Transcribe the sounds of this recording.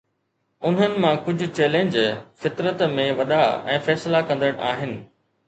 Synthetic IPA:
ʊn̤ənɪ̆mãkʊd͡ʑʱʊ̆t͡ɕɛːlẽɲd͡ʑfɪt̪ɾət̪mẽʋɐɗaɛ̰̃ːfɛːslakɐ̃nd̪əɽ̃ʔaːɦɪnɪ̆

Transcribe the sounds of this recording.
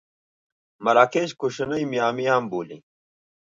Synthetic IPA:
mɐɾaːkeːɕkuɕɐnɐimijaːmijaːmboːlḭ

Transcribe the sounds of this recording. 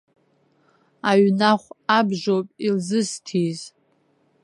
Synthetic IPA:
aɥnaχʷabʒʷopʼilzɨstʰiz

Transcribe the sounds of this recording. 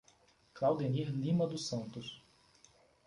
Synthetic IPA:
klawd̪eniɾlĩmɐd̪ʊsɐ̃nt̪ʊs

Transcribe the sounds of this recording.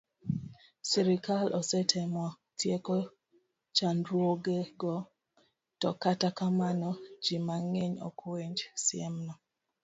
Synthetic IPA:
siɾikalʔɔsɛtʰɛmwɔ | tjeko | t͡ʃandɾwoɡeɡɔ | tɔkatakamanɔd͡ʒimaŋeɲɔ̰kweɲd͡ʒsɪɛmnɔ

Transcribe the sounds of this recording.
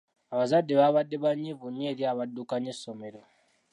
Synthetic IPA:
aβazadːe̞βaβadːe̞βaɲːivuɲːeːɾjaːβadːukaɲesːo̞me̞ɾo̞

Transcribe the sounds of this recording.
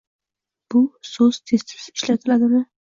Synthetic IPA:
b̥ʊsɵz̥t̪ʰesːɪ̥z̥ɪʃlat̪ʰɪlad̪ɪmɪ

